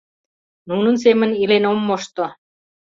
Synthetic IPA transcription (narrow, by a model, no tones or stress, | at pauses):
nunɤ̆ns̬emə̆nilenomːoʃt̪o